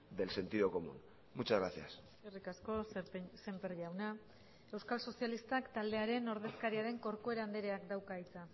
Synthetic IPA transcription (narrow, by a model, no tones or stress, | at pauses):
d̪e̞lse̞nt̪iðo̞ko̞mṵn | mut͡ʃazɣɾaθja̰s | erikasko̞sepese̞mpeɾʎawna | e̞wskalso̞sialist̪akt̪ald̪e̞aɾe̞no̞ɾðe̞skaɾiaɾe̞ŋko̞ɾko̞e̞ɾand̪eɾe̞akd̪awkait͡sa